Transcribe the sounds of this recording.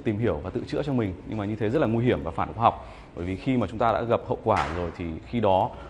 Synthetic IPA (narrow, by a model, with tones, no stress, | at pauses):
t̪i˨˩mɦi˧˩əwvaː˨˩t̪ɨ̰˧˨t͡ɕɨ̰˧˥ət͡ɕɔ˧mï˨˩ŋ̟ɲɨ̰˧ŋmaː˨˩ɲɨ˧t̪ʰe˨˦zə˦˥t̚laː˨˩ŋwi˧ɦi˧˩əmvaː˨˩faː˧˩nxwaː˧˩ɦa˨˩k͡p̚ | əː˧˩jvi˨˩xi˧maː˨˩t͡ɕʊ˨˦ŋ͡mt̪aː˧ɗa̰ː˧˥ɣə˨˩p̚hə̰˧˨wkwaː˧˩zo˨˩jt̪ʰi˨˩xi˧ɗɔ˨˦